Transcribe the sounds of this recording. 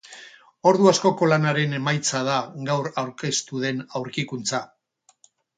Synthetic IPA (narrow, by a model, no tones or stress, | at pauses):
o̞ɾðuasko̞ko̞lanaɾe̞ne̞majt͡sað̞aɡawɾawɾke̞st̪uð̞e̞nawɾkikunt͡sa